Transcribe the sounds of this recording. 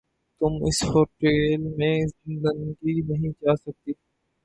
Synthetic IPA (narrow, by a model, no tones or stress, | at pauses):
t̪ʊmɪ̰shoːʈeːlmẽzɪ̃nd̪ənɡinɐɦĩd͡ʒaːsɐk̚t̪iː